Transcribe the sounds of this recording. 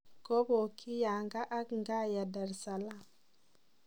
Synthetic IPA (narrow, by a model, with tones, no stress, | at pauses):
ko˦bo˨kʰi˦ja˨ŋɡa˦ʔa˦kŋɡa˦ja˨da˨ɾsa˨la˦